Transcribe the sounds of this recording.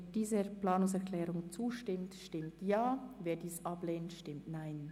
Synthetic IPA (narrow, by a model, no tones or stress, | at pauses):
d̥iːzəplaːnʊŋsɛʁklɛːʁʊŋt͡suːʃtɪmtʃtɪmtjaːveːdiːsʔab̥leːntʃtɪmtnaɪn